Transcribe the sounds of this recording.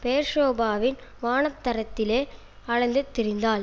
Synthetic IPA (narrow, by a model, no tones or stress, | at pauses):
peːɾʂoːbaːʋɪnʋaːnɐp̚t̪ːɐɾɐt̪ːɪleː | ɐɻɐnd̪ɯt̪ːɪɾɪnd̪aːl